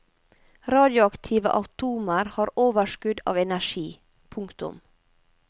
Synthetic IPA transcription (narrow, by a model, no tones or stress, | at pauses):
ɾɑːd̪jʊɑkt̪ʰiːʋə̰ʔɑt̪ʰuːməɾhɑːɾoːʋəʃkʉd̪ɑ̰ːʋɛnæʃiː | pʰʊŋkt̪ʊ̰m